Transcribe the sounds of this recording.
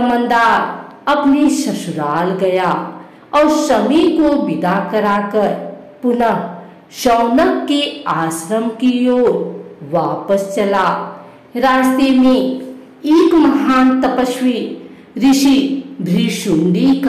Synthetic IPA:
mə̃nd̪aːɾ | ɐpnisɐsuɾaːlɡɐja | ɔːɾsɐmikobid̪akɐɾakəɾ | pʊnə | səwnəkːeaːsɾəmkijoːʋaːpəst͡ʃɐlaː | ɾaːst̪emẽ | eːkmɐɦaːnt̪əpəswi | ɾiʃibʱɾiʃuɳɖik

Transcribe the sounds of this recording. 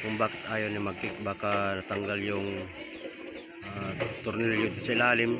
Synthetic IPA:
kʊŋbaːkɪ̥t̪aːjonimaɡɪk̚baːkanat̪aŋɡaljʊŋ | at̪ʊrnɪljʊt̪salaːlɪm

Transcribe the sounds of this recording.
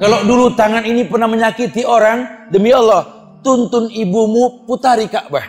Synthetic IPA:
kalodulut̪aŋaninipərnahməɲakit̪ioɾaŋdəmiɔlːɔh | t̪unt̪ʊnibumuput̪aɾikaʔbah

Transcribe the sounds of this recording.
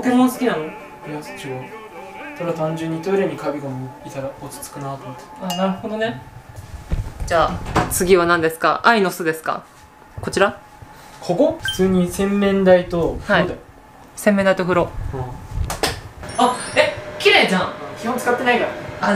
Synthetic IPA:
k̪emonsɨ̥kʲinano | ɾiast͡ɕiɡosoɾeβat̪ãɲd͡ʑɯ̃ɲ̟ːit̪o̞iɾeɲʲikabʲiɡomoit̪aɾaot͡sɨ̥t͡sɨ̥kɯnat̪omt̪ːe̥anaɾɯ̟ho̞d̪o̞ne | d͡ʑaːt͡sɨɡʲiβanãnd̪e̞sɨ̥ka̰ʔaino̞sɨd̪e̞sɨ̥ka̰ | ko̞t͡ɕiɾa | kʰokoɸɯ̟̥t͡sɨːɲ̟isẽ̞mːẽ̞nd̪ait̪o̞aid̪e | sẽ̞mːend̪ait̪o̞ɸɯ̟ɾo̞ | aekʲiɾed͡ʑãkʲihont͡sɨ̥kat̪ːe̞naid̪aa

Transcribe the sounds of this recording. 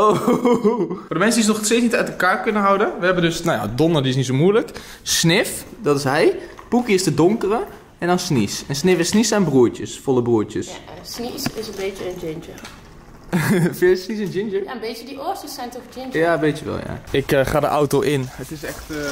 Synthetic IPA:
o | fordəmɛnsədizənɔxsteːt͡snitœɥtəkaːrkønəɦawdənʋəɦɛbəndøsnaja̰dɔnərdiɪsnits̬omuələk | snɪfdɔtɪsɦɛj | pukəjɪstədʊŋkərə | ɛndɔnsnisɛnsnɪfɪsnisanbruətjəsfolˠəbruətjəssnisɪsənbeːtjənd͡ʒɪnd͡ʒə | fɪsnisɛnd͡ʒɪnd͡ʒəbeːtjədiʔosəsɛjntofd͡ʒɪnjabeːtjəʋɛ̰lˠja̰ɪkxaːdə̰ʔawtoʔɪnətɪsɛxt

